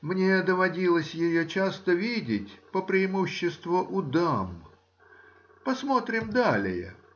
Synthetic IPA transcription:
mnʲed̪əvɐdʲilˠəsʲjɪjot͡ɕast̪əvʲidʲɪtʲpəpɾʲɪɪmuɕːɪst̪vʊʔʊd̪am | pɐsmo̞t̪ɾʲɪmd̪alʲɪ̰jə̰

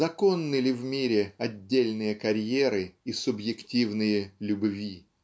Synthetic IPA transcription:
zɐko̞nːɨlʲɪvmʲiɾʲɪɐdʲːelʲnɨjəkɐɾʲjeɾɨisʊbjɪktʲivnɨjəlʲʊbvʲi

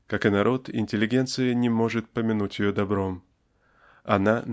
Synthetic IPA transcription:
kakɨnɐɾʔo̞t̪ɪ̰nʲtʲɪlʲːɪɡʲe̞nt̪sɨjənʲɪmo̞ʐɨt̪̚pəmʲɪnutʲjɪjod̪ɐbɾo̞m | ɐnan

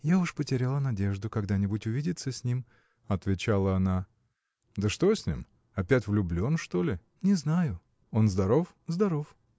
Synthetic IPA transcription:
jaʊʂpətʲɪɾʲalˠənɐdʲe̞ʐd̪ʊkɐɡd̪anʲɪbʊtʲʊvʲidʲɪt̪səsʲnʲim | ɐt̪vʲɪt͡ɕalˠəɐna | d̪əʂt̪o̞sʲnʲḭm | ɐpʲætʲvlʲʊblʲo̞nʂt̪o̞lʲɪ | nʲɪznajʊ | o̞nzd̪ɐɾo̞f | zd̪ɐɾo̞f

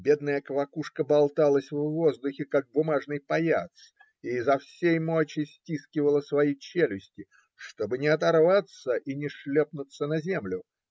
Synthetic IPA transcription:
bʲe̞d̪nəjəkəvɐkuʂkəbɐlˠt̪alˠəsʲvːo̞zd̪ʊxʲɪkaɡ̚bʊmaʐnɨjpɐja̰t̪s | iːzɐfsʲejmot͡ɕɪsʲtʲiskʲɪvəlˠəsvɐjit͡ɕelʲɪsʲtʲɪ | ʂt̪o̞bɨnʲɪɐt̪ɐrvat̪səʔinʲɪʂlʲepnʊt̪sːənɐzʲe̞mlʲʊ

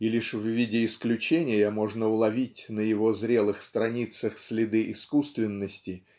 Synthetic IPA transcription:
ilʲiʂvvʲidʲɪːsklʲʉt͡ɕenʲɪjəmo̞ʐnəʊlˠɐvʲitʲnəjɪvo̞zɾʲe̞lˠɨxst̪ɾɐnʲit̪səxsʲlʲɪd̪ɨʔɪskust̪vʲɪnːəsʲtʲɪ

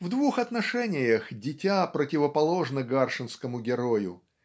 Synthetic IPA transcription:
vd̪vuxɐt̪nɐʂɛnʲɪjəxdʲɪtʲapɾətʲɪvəpɐlˠo̞ʐnəɡarʂɨnskəmʊɡʲɪɾojʊ̰

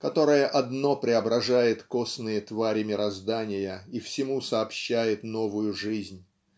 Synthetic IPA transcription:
kɐt̪o̞ɾəjəʔɐd̪no̞pɾʲɪɐbɾɐʐajɪt̪ko̞snɨjət̪vaɾʲɪmʲɪɾɐzd̪anʲɪjəifsʲɪmusɐːpɕːæjɪt̪no̞vʊjʊʐɨzʲnʲ

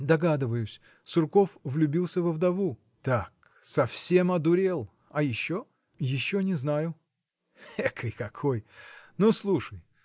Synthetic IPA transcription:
d̪ɐɡad̪ɨvəjʊsʲ | sʊrko̞fvlʲʊbʲilˠsʲəvəvd̪ɐvu | t̪ak | sɐfsʲe̞mɐd̪ʊɾʲelˠ | ɐjɪɕːo | jɪɕːonʲɪznajʊ | ɛkʰɨjkɐkʰojnuslˠuʂəj

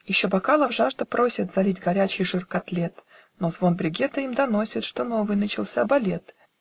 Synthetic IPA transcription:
jɪɕːobɐkalˠəvʐaʐd̪əpɾo̞sʲɪt̪zɐlʲitʲɡɐɾʲæt͡ɕɪjʐɨrkɐt̪lʲet̪ | no̞zvo̞nbɾʲɪɡʲe̞t̪ɨimd̪ɐno̞sʲɪt̪ʂt̪o̞no̞vɨjnət͡ɕɪlˠsʲabɐlʲe̞t̪

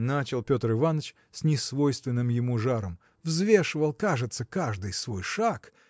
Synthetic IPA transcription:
nat͡ɕɪlˠpʲo̞t̪rɨvanət͡ɕ | sʲnʲɪsvo̞jst̪vʲɪnːɨmjɪmuʐaɾəm | vzvʲe̞ʂɨvəlˠkaʐɨt̪səkaʐd̪ɨjsvo̞jʂak

